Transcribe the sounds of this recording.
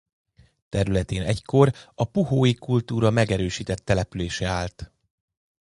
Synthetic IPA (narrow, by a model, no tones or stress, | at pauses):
t̪ɛɾylɛt̪eːnɛ̰cko̞rɒpuɦoːjikult̪uːɾɒmɛɡɛɾøːʃiːt̪ɛt̪ːɛlɛpyleːʃɛaːlt̪